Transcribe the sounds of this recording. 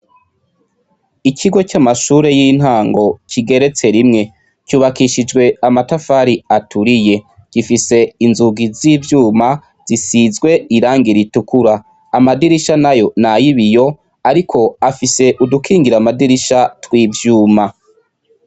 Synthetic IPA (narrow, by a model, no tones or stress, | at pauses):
icʰiɡo̞t͡ʃamaʃuːɾe̞jin̥haːŋɡo̞cʰiɡe̞ɾe̞t͡se̞ɾimŋe̞ | cuːβakiʃid͡ʒɡwe̞amatafaːɾiatuɾije̞ | ɡ̥ifise̞inzuɡiziːvjuːma | z̥isizɡwe̞iɾaːŋɡiɾitukuɾaː | madiɾiʃanajo̞najiβijo̞ | aɾikʰo̞afise̞ʔudukʰiːŋɡiɾamadiɾiʃatwiːvjuːma